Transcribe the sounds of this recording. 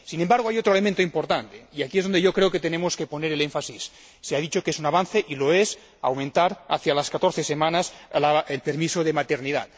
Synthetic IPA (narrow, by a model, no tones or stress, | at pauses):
sinembaɾɣ̞oajot̪ɾoelemẽnt̪oimpoɾt̪ant̪eiakiezðoneʝokɾeoket̪enemoskeponeɾeleɱfasisː | eaðit͡ʃokesunaβ̞anθeʔiloes | a̰wmẽnt̪aɾa̰θjalaskat̪oɾθesemanaslaelpeɾmisoðemat̪eɾniða̰t̪̚